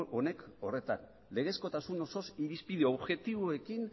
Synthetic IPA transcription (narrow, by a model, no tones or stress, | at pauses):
o̞ne̞ko̞re̞t̪a̰n | le̞ɣe̞sko̞t̪asuno̞so̞siɾispið̞eoβʝe̞t̪iβoe̞kin